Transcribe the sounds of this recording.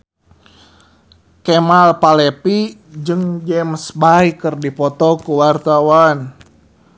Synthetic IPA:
kɛmalpalɛpid͡ʒɨŋd͡ʒɛmsbajkɨrdipɔt̪ɔkuwart̪awan

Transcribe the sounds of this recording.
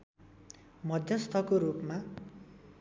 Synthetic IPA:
mʌd̪ʱjʌst̪ʰʌkoɾupma

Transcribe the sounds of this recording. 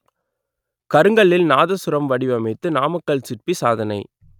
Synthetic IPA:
kɐɾɯŋɡɐɭɪlnaːðɐsʊɾɐmʋɐɽɪʋɐmɐɪt̪ːɯnaːmɐkːɐɭsɪrpisaːðɐnɐɪ

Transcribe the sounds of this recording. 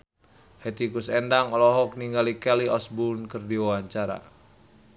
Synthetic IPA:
hɛt̪ikusɛndaŋɔlɔɦɔk̚niŋɡalikɛliɔsbunkərdiwawaɲt͡ʃaɾa̰

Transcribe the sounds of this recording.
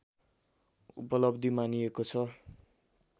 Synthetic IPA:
ṵpʌlʌbd̪imaniekot͡sʰʌ

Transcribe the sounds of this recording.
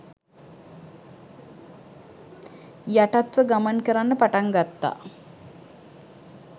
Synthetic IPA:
jaʈat̪ʋəɡamankəɾanːəpaʈaŋɡat̪ːa̰

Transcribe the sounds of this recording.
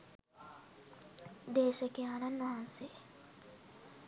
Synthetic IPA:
d̪eːʃɐkeaːnɐnʋɐɦɐnse

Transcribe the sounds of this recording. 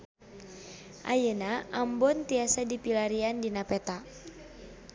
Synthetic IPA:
ʔa̰jənaʔambɔnt̪iasadipilaɾiandinapɛt̪a

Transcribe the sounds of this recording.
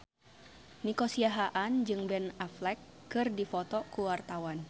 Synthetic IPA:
nikosiaɦaʔand͡ʒɨŋbɛnaflɛkːɨrdifɔt̪ɔkuwart̪awan

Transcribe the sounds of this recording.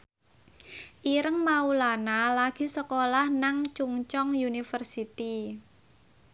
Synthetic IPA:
ʔiɾəŋmaulanalaɡ̥i̤səkolahnaŋt͡ʃuŋt͡ʃɔŋjunifərsit̪i

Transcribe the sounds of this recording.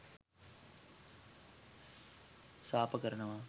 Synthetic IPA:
saːpɐkɐɾɐɳɐʋaː

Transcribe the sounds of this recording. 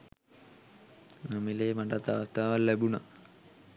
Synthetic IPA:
nɐmilemɐɖat̪ːaʋɐst̪ʰaːʋɐlːebuɳɐ̰

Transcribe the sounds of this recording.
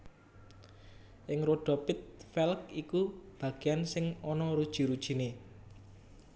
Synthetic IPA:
ʔɪŋɾoɖ̥ɔ̤pɪt̪̚fɛlkikub̥ä̤ɡ̥e̤ansɪŋɔnɔɾud̥ʒ̥i̤ɾud̥ʒ̥i̤ne

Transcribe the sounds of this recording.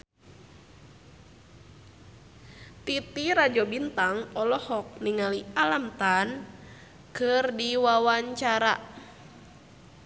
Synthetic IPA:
t̪it̪iɾad͡ʒɔbint̪aŋɔlɔhɔk̚niŋalialamt̪an | kɨrdiwawaɲt͡ʃaɾa̰

